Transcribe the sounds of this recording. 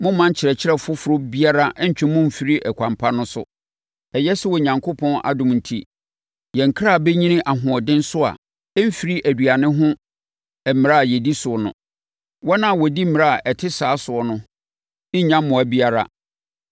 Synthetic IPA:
mʊ̃˦m̩ː˦ã˦ɲ˦t͡ɕʰɪ˨ɾɛ˨t͡ɕʰɪ˦ɛ˦˨fʊ˦fʊ˨ɾʊ˦bi˦a˦ɾa˦ʔɛ˦ɲ̩˨t͡ɕᶣɪ̃˦mʊ̃˦m̩˨fi˨ɾi˦ʔɛ˨kʷʰã˨mpʰa˦nʊ̃˦sʊ̰˦ | ɛ˨jɛ˦sʊ˦wɔ˨ɲã˨ŋkʰo˦pʰɔ̃˦na̰˨dʊ̃˨mn̩˨tʰi˦ | jɛ̃˨ŋ̩˨kʰɾa˦˨bɛ˦ɲĩ˦nɪ̃˦ʔa˨ɦʊ̃˨ɔ˨dɪ̃˦n˦sʊ˦a̰˨ | ɛ˦m̩˦fi˨ɾi˦ʔæ˨du˨a˨nɪ̃˦ɦʊ̃˦ | ɛ˨mɪ̃˨ɾa˦˨jɛ˨di˦sʊ˨ɔ˨nʊ̰̃˨ | wɔ˦nã˦˨wɔ˨di˦m̩˦mɪ̃˨ɾa˦a˨ʔɛ˨tʰɪ˦saː˨˦sʊ˨ɔ˨˦nʊ̃˦ | ɪ˦ɲã˦mmːʊ̃˨æ˨bi˦a˨ɾa̰˦

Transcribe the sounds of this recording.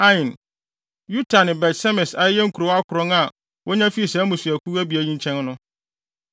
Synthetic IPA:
ã˦ɪ̃˨n | ju˦tʰa˨nɪ̃˨bɛ˨tsɛ˦mɪ̃˨sa˦jɛ˦ŋ̩˦kʰu˨ɾo˨˦a˦kʰʊ˨ɾɔ̃˦ŋa˨ | wʔɔ˦ɲã˦fi˦i˨sɛ˨˦mũ˨si˨æ˨kʰu˦æ˦bi˨æ˨ɲĩ˦ɲ˦t͡ɕʰɛ̃˦n˦nʊ̃˦

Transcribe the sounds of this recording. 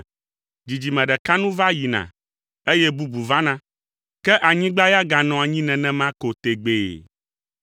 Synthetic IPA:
d͡ʑi˨d͡ʑi˨mɛ̃˨ɖɛ˨ka˦nũ˦va˦ji˨nã̰˨ | e˦jɛ˦bu˦bu˨vã˦nã˦ | kɛ˦ʔa˨ɲĩ˦ɡ͡ba˦ja˦ɡa˨nɔ̃˨a˨ɲĩ˦nɛ̃˨nɛ̃˦mã˦ko˨t̪e˨ɡ͡bḛ˨

